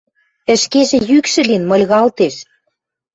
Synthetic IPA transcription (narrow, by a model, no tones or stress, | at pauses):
ɘ̆ʃkeʒĕjykʃɘ̆linmɤ̆lʲɣɑlt̪eʃ